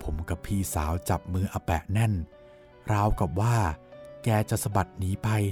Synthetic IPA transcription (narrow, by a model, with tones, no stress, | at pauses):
pʰo˩˦mka˨˩pʰːiː˧˩saː˩˦wt͡ɕa˨˩p̚mɯː˧ʔaː˧pɛ˨˩ʔnɛ˥˩n | ɾaː˧˥wka˨˩p̚waː˥˩kɛː˧t͡ɕa˨˩sa˧ba˨˩t̪̚niː˦˥pa˧j